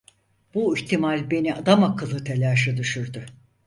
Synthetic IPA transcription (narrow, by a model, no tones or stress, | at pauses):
b̥uiçt̪ʰimalʲbe̞niad̪amakʰɯlˠɯt̪ʰelʲaʃɯd̪yʃyɾd̪ʊ